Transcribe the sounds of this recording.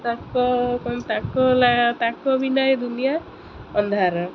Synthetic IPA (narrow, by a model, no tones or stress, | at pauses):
t̪akɔkɔnt̪akɔlat̪akɔbinɔjed̪unija | ɔnd̪ʱaɾɔ